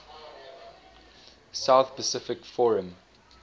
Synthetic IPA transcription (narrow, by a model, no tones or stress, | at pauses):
saʊθpəsɪfɪkfɔɹə̃m